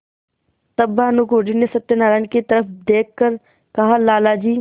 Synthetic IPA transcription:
t̪əbːaːnukoːɖinesɐt̪ːjenaːɾanket̪ɐɾəfd̪eːkʰːəɾ | kɐɦãlaːlad͡ʒiː

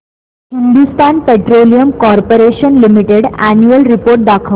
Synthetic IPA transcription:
ɦind̪ust̪anpeʈɾolijəmkɔɾpoɾeɕənlimiʈeɽænjuəlɾipoɾʈ̚d̪akʰə

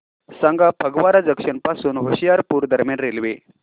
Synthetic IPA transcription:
saŋɡapʰəɡʋaɾad͡zəkʂənpasuːnɦəɕijaɾpuːɾd̪ʱəɾmjanɾelʋe

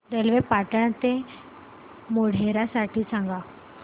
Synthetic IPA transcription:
ɾelʋepaʈəɭ̃at̪e | moɽ̤ʱeɾasaʈʰiːsãŋɡa

